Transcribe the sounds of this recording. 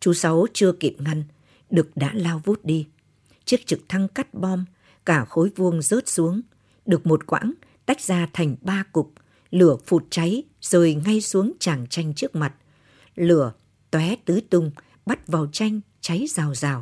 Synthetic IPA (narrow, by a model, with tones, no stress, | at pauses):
t͡ɕu˨˦sa˨˦wt͡ɕɨ˧əki˨˩p̚ŋa˧n | ɗɨ˨˩ək̚ɗa̰ː˧˥laː˧wvu˦˥t̚ɗi˧ | t͡ɕɨ˦˥ək̚t͡ɕɨ˨˩k̚t̪ʰa˧ŋka˦˥t̚ɓɔ˧m | kaː˧˩xo˨˦jvu˧əŋzəː˦˥t̚su˨˦əŋ | ɗɨ˨˩ək̚mo˨˩t̚kwʔa̰ː˧˥n | t̪a˦˥jk̚zaː˧t̪ʰa˨˩jŋ̟ɓaː˧kʊ˨˩k͡p̚ | lɨ˧˩əfu˨˩t̚t͡ɕa˨˦j | z̥oː˨˩jŋa˧jsu˨˦əŋt͡ɕaː˧˩ŋt͡ɕa˧jŋ̟t͡ɕɨ˦˥ək̚ma˨˩t̚ | lɨ˧˩ə | t̪wɛ˨˦t̪ɨ˨˦t̪ʊ˧ŋ͡m | ɓa˦˥t̚vaː˨˩wt͡ɕa˧jŋ̟ | t͡ɕa˨˦jzaː˨˩wzaː˨˩w